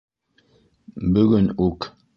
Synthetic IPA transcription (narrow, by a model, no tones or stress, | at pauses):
bəɣənuk